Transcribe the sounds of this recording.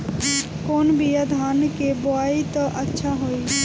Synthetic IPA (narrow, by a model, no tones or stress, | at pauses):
koːnbʱijəd̪ʱaːnkeboaːit̪ɔʔətːʃʰaɦoi